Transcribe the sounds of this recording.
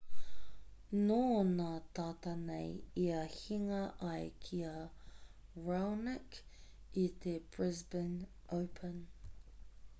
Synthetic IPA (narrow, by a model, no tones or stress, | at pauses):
noːnat̪aːtɐnejiɐhiŋɐʔɐjkʰiə | ɹɛwnɪk | it̪ʰeb̥ɹɪzbɪn | ʔoʊpʰən